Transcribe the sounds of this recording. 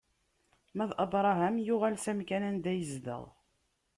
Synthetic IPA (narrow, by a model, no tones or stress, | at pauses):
mæðʔɑbɾˤɑɦæmjʊʁælsæmkænænd̪æjəzd̪ə̰ʁ